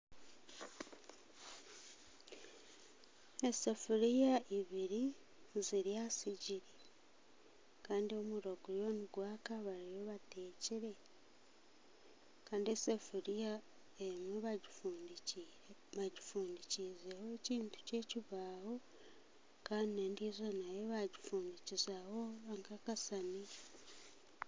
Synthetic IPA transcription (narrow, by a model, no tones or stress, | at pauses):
esefuɾijaʔiβiɾi | ziɾjasiɟiɾe | kaːndio̞muɾoɡujo̞niɡwaːkaβaɾijo̞βate̞ːciɾe̞ | kaːndiesefuɾija | emweβaɟifuːndiciɾeβaɟifuːndicizeho̞eciːntu̥ce̞ːciβaːho̞ | kaːndinendizonajeβaɟifuːndicizahoaŋkakasani